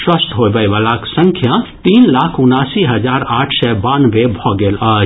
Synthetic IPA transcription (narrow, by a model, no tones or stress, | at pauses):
swəst̪ɦoːʋɐjʋalaksə̃ŋkʰjat̪iːnlaːkʰʊnaːsiɦɐd͡ʒaːɾaːʈʰsɛbaːnʋebʱɔːɡeːlaː